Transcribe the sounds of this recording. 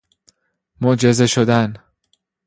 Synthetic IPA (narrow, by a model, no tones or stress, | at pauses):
moʔd͡ʒe̞zeʃod̪æn